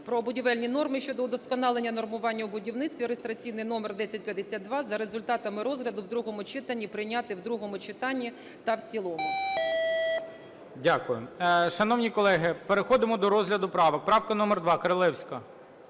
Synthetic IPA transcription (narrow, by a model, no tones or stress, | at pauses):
pɾɔːbʊdʲiʋɛlʲnʲin̪ɔrmɪʃʲt͡ʃɔd̪ɔd̪ɔskɔnɑlˠenʲːɐnɔrmʊʋɑnʲːɐwbʊdʲiwnɪt̪st̪ʋʲiɾest̪ɾɐt͡sʲijnɪjnɔmerd̪ɛsʲɐtʲpʲjɐd̪esʲad̪̚d̪ʋɑzɐɾezʊlʲt̪ɑt̪ɐmɪɾɔzɦlʲɐd̪ʊwd̪ɾuɦɔmʊt͡ʃɪt̪ɐnʲːipɾɪjnʲat̪ɪwd̪ɾuɦɔmʊt͡ʃɪt̪ɑnʲːi | t̪ɐwt͡sʲilˠɔmʊ | dʲakʊjʊʃɐnɔwnʲikɔlˠɛɦɪpeɾexɔd̪ɪmɔd̪ɔɾɔzɦlʲɐd̪ʊpɾɑʋɐk̚pɾɑwkɐnɔmɛrd̪ʋɑkɐɾɐlˠɛwsʲkɐ